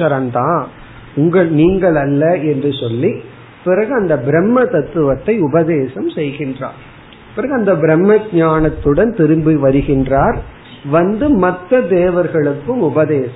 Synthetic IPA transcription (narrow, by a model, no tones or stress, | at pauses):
ɐɾɐmt̪ãː | ʊŋɡɐɭniːŋɡɐɭɐlːɐɛndrɯsɔlːi | pɪɾɐɣɯɐnd̪ɐbɪɾɛmːɐt̪ɐt̪ːɯʋɐt̪ːɐɪʊbɐðeːsɐmsɛjɣɪndra̰ːɾ | pɪɾɐɣɯɐnd̪ɐbɪɾɛmːɐɡɲaːnɐt̪ːɯɽɐnt̪ɪɾɯmbiʋɐɾɯɣɪndraːɾ | ʋɐnd̪ɯmɐt̪ːɐd̪eːʋɐɾɣɐɭɯkːɯmʊbɐðeːsɐ